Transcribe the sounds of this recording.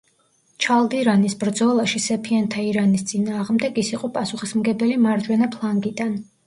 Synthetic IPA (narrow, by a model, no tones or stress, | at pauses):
t͡ʃʰalˠd̪iɾanisbɾd̪zɔlˠaʃisɛpʰiant̪ʰaiɾanist̪sʼinaːʁmd̪ɛɡisiqʼɔpʼasuχismɡɛbɛlimaɾd͡ʒwɛnapʰlˠaŋɡid̪an